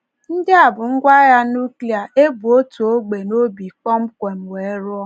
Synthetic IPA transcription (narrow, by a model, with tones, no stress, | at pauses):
n̩˦dɪ˦a˨bʊ˨ŋ̩˦ɡʷa˦ja˦nu˦kli˦˨a˨ʔe˦bu˨o˦tu˨o˦ɡ͡be˨no˦bi˨kɔ˦ŋ͡m̩˦kʷe˨m̩˨we˨˦ɾʊ˦ɔ˦